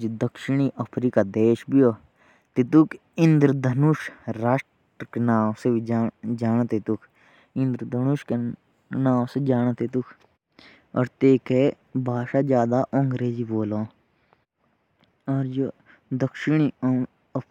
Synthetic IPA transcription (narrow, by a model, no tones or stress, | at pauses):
d͡ʒd̪əkʃɪɳ̃iʔəpʰɾiːkad̪eːʃbioː | t̪it̪ukʰ | ɪ̃nd̪ɾəd̪ʱənuʃɾaːʃʈ | ɾəkenaːsebid͡ʒd͡ʒaːnt̪et̪ukʰ | ɪ̃nd̪ɾəd̪ʱənuʃke | nãːwsed͡ʒaːnt̪et̪ukʰ | ɔ̰ːɾt̪eːke | bʱaːʃaːd͡ʒjaːd̪aːʔõŋɡɾeːd͡ʒiboːlõː | ɔːɾd͡ʒo | d̪əkʃɪɳ̃i | ə